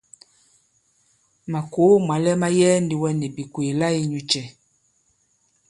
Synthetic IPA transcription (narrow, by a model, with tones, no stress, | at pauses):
ma˨ko˨˦ma˨lɛ˦ma˦jɛː˦ndi˦wɛ˦nɛ˨bi˨kweː˨la˦i˦ɲu˦t͡ʃɛ˨